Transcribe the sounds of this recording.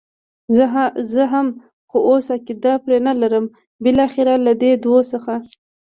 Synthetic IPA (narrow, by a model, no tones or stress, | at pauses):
zəɦam | xoʔosakɪd̪ɑpɾenalaɾəm | bɪlɑxɪɾalad̪ed̪wosəxa